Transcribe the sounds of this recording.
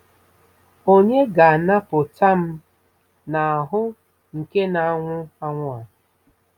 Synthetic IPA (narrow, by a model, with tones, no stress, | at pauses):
o˦ɲe˦ɡa˨a˨na˦pʊ˨ta˦m̩˦ | na˨a˨ɦʊ˦ | ŋ̩˨ke˦na˨a˨ŋʷʊ˦a˦ŋʷʊ˦a˨